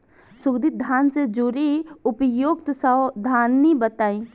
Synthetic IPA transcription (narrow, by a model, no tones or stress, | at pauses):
sʊɡd̪it̪̚d̪ʱaːnsed͡ʒuɾiʊpəjoːɡt̪səd̪ʱaːnːibət̪aːĩː